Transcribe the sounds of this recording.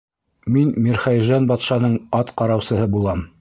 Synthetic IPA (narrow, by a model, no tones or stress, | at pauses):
minmiɾχæjʒɑnbɑt̪ʃɑnɤɴɑt̪qɑɾɑwsɤ̆hɤbulˠɑm